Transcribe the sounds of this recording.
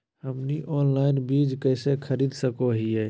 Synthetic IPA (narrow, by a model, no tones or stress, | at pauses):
həmniʔɔːnlaːɪnbiːd͡ʒkəɪsekʰəɾiːd̪səkoɦiɛː